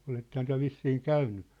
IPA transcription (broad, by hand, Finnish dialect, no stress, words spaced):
oletːehɑn tyæ̝ ʋisːiːŋ kæynːy